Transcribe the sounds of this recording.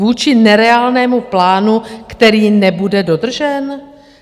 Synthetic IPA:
uːt͡ʃɪnɛɾɛaːlnɛːmuplaːnukt̪ɛɾiːnɛbudɛdo̞d̪r̩ʒɛn

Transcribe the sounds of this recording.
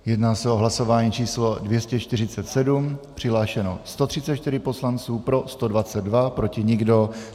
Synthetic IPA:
jɛdnaːsɛoɦlaso̞vaːɲiːt͡ʃiːslodvjɛscɛt͡ʃt̪ɪrɪt͡sɛt̪sɛdumpr̥ɪɦlaːʃɛno̰st̪ot̪r̥ɪt͡sɛt̪t͡ʃt̪ɪɾɪpo̞slant͡suːpɾo̞st̪odvat͡sɛd̪dvapɾo̞cɪɲɪɡdo̞

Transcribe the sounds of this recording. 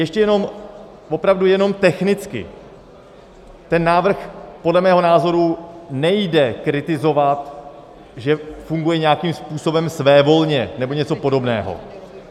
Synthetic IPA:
jɛʃcɛjɛno̞m | vo̞pɾavdujɛno̞mt̪ɛxnɪt͡skɪ̰ | t̪ɛnːaːvr̩xpo̞dlɛmɛːɦo̞naːzo̞ɾunɛjdɛkɾɪt̪ɪzo̞vat̪ | ʒɛfuŋɡujɛɲɛakiːmspuːso̞bɛmsvɛːvo̞lɲɛnɛbo̞ɲɛt͡so̞po̞do̞bnɛːɦo̰

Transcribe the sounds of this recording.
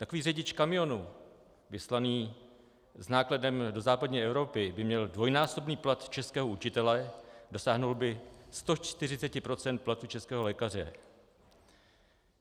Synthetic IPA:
t̪akoviːrɛɟɪt͡ʃkamɪjo̞nu | vɪslaniː | znaːkladɛmdo̞zaːpadɲiːʔɛvɾo̞pɪbɪmɲɛldvo̞jnaːso̞bniːplat̪t͡ʃɛskɛːɦo̞ut͡ʃɪt̪ɛlɛdo̞saːɦnolbɪst̪o̞t͡ʃt̪ɪrɪt͡sɛcɪpɾo̞t͡sɛnt̪̚plat̪ut͡ʃɛskɛːɦo̞lɛːkar̝ɛ̰

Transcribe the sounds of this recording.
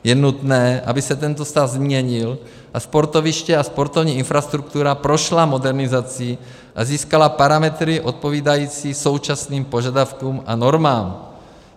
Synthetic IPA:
jɛnut̪nɛːʔa̰bɪsɛt̪ɛnt̪ost̪avzmɲɛɲɪl | ʔaspoɾt̪ovɪʃcɛaspo̞ɾt̪ovɲiːɪnfɾast̪ɾuk̚t̪uɾapɾo̞ʃlamo̞dɛɾnɪzat͡si | ʔaziːskalapaɾamɛt̪ɾɪʔo̞t̪̚po̞viːdajiːt͡siːso̞wt͡ʃasniːmpo̞ʒadafkuːmʔa̰no̞ɾmaːm

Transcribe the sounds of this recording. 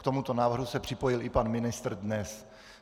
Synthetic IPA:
kt̪o̞mut̪o̞naːvr̩ɦusɛpr̝̥ɪpo̞jɪlɪpanmɪnɪst̪rdnɛs

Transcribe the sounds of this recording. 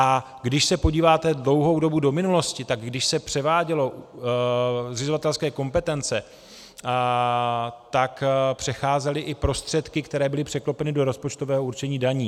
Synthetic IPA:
ʔa | ɡdɪʃsɛpo̞ɟiːvaːt̪ɛdlo̞wɦo̞wdo̞budo̞mɪnulo̞scɪt̪aɡɡdɪʃsɛpr̝̥ɛvaːɟɛlo̞ | zɪzovat̪ɛlskɛːko̞mpɛt̪ɛnt͡sɛ | t̪akpr̝̥ɛxaːzɛlɪʔɪpɾo̞st̪r̝̥ɛt̪kɪkt̪ɛɾɛːbɪlɪpr̝̥ɛklopɛnɪdo̞ɾo̞spo̞t͡ʃt̪o̞vɛːɦouɾt͡ʃɛɲiːdaɲiː

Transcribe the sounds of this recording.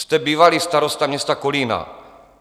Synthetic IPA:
st̪ɛbiːvalist̪aɾost̪amɲɛst̪akolina̰

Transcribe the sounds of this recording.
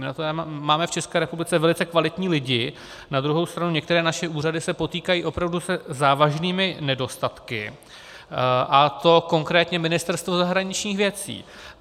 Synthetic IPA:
mnat̪oɛmaːmɛft͡ʃɛskɛːɾɛpublɪt͡sɛvɛlɪt͡sɛkvalɪt̪ɲiːlɪɟɪ | nad̪ɾuɦo̞wst̪ɾanuɲɛkt̪ɛɾɛːnaʃɛʔuːradɪsɛpo̞t̪iːkajiːʔo̞pɾavdusɛzaːvaʒniːmɪnɛdo̞st̪at̪kɪ | ʔat̪o̞ko̞ŋkɾɛːt̪ɲɛmɪnɪst̪ɛɾst̪vo̞zaɦɾaɲɪt͡ʃɲiːxvjɛt͡sḭː

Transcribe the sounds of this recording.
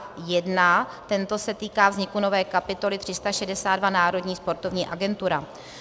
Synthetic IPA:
jɛdnat̪ɛnt̪o̞sɛt̪iːkaːvzɲɪkuno̞vɛːkapɪt̪o̞lɪt̪r̥ɪst̪aʃɛdɛsaːd̪dvanaːɾo̞dɲiːspo̞ɾt̪o̞vɲiːʔaɡɛnt̪uɾa

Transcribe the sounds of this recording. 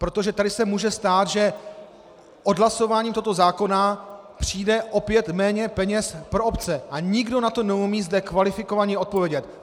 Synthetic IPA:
pɾo̞t̪o̞ʒɛt̪adɪsɛmuːʒɛst̪aːt̪ʒɛ | ʔo̞dɦlaso̞vaːɲiːmt̪oɦot̪ozaːko̞na | pr̥iːdɛʔo̞pjɛt̪mɛːɲɛpɛɲɛspɾo̞opt͡sɛʔaɲɪɡdo̞nat̪o̞nɛumiːzdɛkvalɪfɪko̞vaɲɛo̞t̪̚povjɛɟɛt̪

